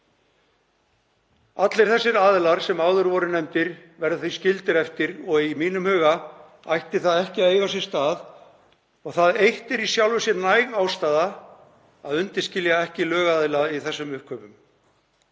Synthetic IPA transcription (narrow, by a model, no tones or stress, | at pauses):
at̪lejɾ̥θɛsːɪɾaːðɪlaɾ̥sɛmaːwðʏɾvɔɾʏnɛmt̪ɪɾvɛɾðʏθiscɪlt̪ɪɾɛft̪ɪɾɔɣimiːnʏmhœːɣa | a̰jht̪ɪθaðɛhcɪaðeːjvas̬jɛɾ̥st̪aːð | ɔɣθaðejht̪ɛɾisjawlvʏsjɛɾnajɣawst̪aːða | aðʏnt̪ɪ̥scɪljaɛhcɪlœːɣaðɪlaiθɛsːʏmʏhkʰvœːpʏm